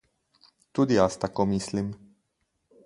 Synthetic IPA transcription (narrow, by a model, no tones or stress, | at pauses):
t̪ud̪ijast̪akomislim